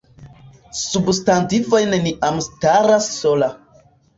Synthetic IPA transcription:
substantivo̞jneniʔamstaɾasːola

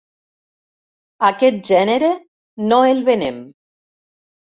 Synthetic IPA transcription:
akɛt̪̚ʒɛneɾe | noelβenem

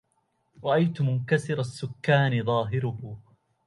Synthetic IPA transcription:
ɾˤɑʔajt̪ʊmʊnkasɪɾasːʊkːaːnɪðˤɑːɦɪɾʊh

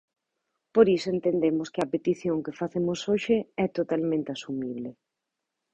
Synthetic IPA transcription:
poɾisoent̪end̪emʊskɪɐpet̪iθjoŋkefaθemʊsoʃɪɛt̪ot̪almẽnt̪ɪasumiβ̞lɪ

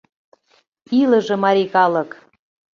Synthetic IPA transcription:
ilə̆ʒĕmɑɾikɑlə̆k

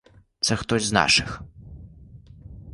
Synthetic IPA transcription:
t̪sɛxt̪ɔzʲzna̰ʂɨx

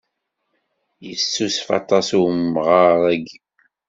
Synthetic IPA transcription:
jəsːusfɑ̰t̪ˤɑsummʁaɾˤæɡib

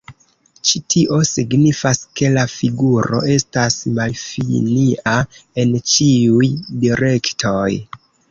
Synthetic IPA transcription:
t͡ʃitʰiʔo̞siɡnifaske̞lafiɡuɾo̞̰e̞stasmalfiniʔae̞nt͡ʃiujdiɾe̞ktʰo̞j

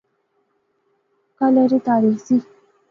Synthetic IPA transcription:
kaləɾitaɾisi

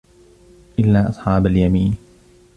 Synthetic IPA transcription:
ʔɪlːaːʔɑsˤħɑːbaljamiːn

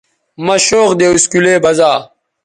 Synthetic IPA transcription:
mɐɕoːqd̪eːuskuleːbɐzaː

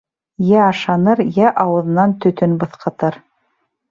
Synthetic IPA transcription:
jæɑʃɑnɤɾjæʔɑwɤ̆ðnɑnt̪ɵ̆t̪ɵnbɤ̆θqɤ̆t̪ɤɾ

